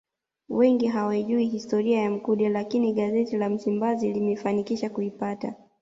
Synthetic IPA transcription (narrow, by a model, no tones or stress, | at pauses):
wɛŋɡiɦawaiʄuiɦistɔɾiajam̩kuɗɛlakiniɠazɛtilam̩simbazilimɛfanikiʃakuipata̰